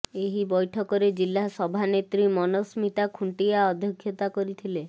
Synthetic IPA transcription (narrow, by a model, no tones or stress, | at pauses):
eɦibɔjʈʰɔkɔɾed͡ʒilːasɔbʱanet̪ɾimɔnɔsmit̪akʰuɳʈijaɔd̪ʱjɔkʰːjɔt̪akɔɾit̪ʰile